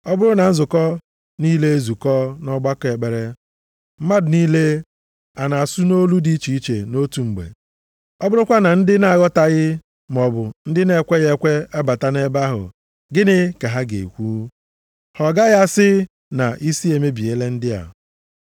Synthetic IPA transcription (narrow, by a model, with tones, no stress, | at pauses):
ɔ˦bʊ˦ɾʊ˦na˨n̩˦zʊ˨kɔ˦ | niː˦le˦e˦zu˨kɔ˦nɔ˦ɡ͡ba˦ke˨k͡pe˨ɾe˦ | m̩˦ma˦dʊ˨niː˦le˦ | a˨na˨a˨su˦no˦lu˦di˦t͡ʃi˨i˦t͡ʃḛ˨no˦tu˨ŋ͡m̩˨ɡ͡bḛ˨ | ɔ˦bʊ˦ɾʊ˦kʷa˦na˨n̩˦dɪ˦na˨a˨ɣɔ˦ta˨ɣɪ˦ | m˨ɔ˨bʊ˨n̩˦dɪ˦ne˦˨kʷe˦ɣe˦kʷe˦a˦ba˨ta˦ne˦ba˦ɦʊ̰˨ | ɡɪ˦nɪ˦ka˨ɦa˦ɡḛ˨kʷuː˦ | hɔ˨ɡa˦ɣa˦sɪ˦ | na˨ʔi˦si˦e˨me˦bi˨e˨˦le˦n̩˦dɪ˦a̰˨